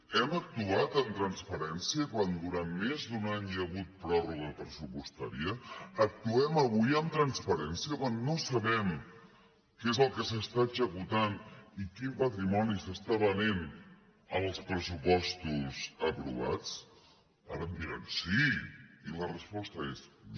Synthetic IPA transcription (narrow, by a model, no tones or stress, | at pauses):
ɛmək̚t̪uat̪ənt̪ɾənspəɾɛnsiəkwand̪uɾanmezd̪unaɲəɣut̪̚pɾɔruɣ̞əpɾəsupust̪a̰ɾiəːk̚t̪uɛməβ̞ujəmt̪ɾənspəɾɛnsiəkwanːosəβɛm | kezəlˠkəsəst̪aəzəkut̪anikimpət̪ɾimɔnisəst̪aβənen | əlˠspɾəsupɔst̪uzəpɾṵβ̞a̰t͡s | a̰ɾəmd̪iɾansiilərəspɔst̪əes